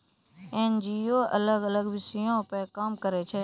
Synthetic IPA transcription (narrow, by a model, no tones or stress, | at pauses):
eːnd͡ʒiːoːʔə̰ləɡələɡʋɪsijõpəkaːmkəɾet͡ʃʰeː